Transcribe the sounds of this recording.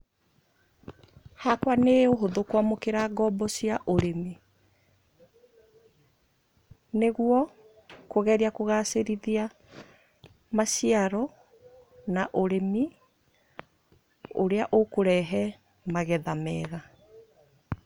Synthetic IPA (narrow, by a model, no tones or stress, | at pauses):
hakwaneoɦoðokwamokeɾaɡɔːbɔsiaʔoɾemi | neɣwɔ | koɣɛɾiakoɣaseɾiðia | masiaɾɔ | naʔoɾemi | o̰ɾeaʔokoɾɛɦɛ | maɣɛðamɛːɣa